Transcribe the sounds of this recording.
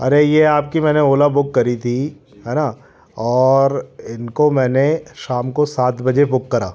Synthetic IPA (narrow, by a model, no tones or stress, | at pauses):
ɐ̰ɾejeaːp̚kimɛ̃ːneoːlabʊkːɐɾit̪ʰi | ɦɛːna | ɔːɾɪnkomɛ̃ːneʃaːmkosaːt̪ʰbɐd͡ʒebʊkːɐɾa̰ː